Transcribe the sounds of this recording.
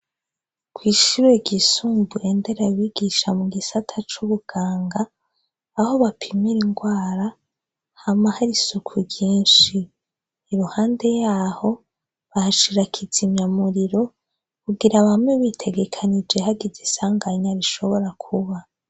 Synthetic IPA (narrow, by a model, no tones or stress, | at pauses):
kwiːʃuɾweɡisuːmbuende̞ɾaβiɡiʃamuɡisatʰat͡ʃuβuɡ̥aːŋɡaː | ho̞βapʰimiɾiŋɡwaːɾa | hamahaɾisukʰuɟiːnʃi | iɾuhaːnde̞jaːho̞ | βahaʃiɾakʰizimɲamuɾiɾo̞ | kuɡiɾaβamŋeβitʰe̞ɡe̞kʰanid͡ʒe̞haɡizisaːŋɡaɲaɾiʃo̞βo̞ɾakʰuβa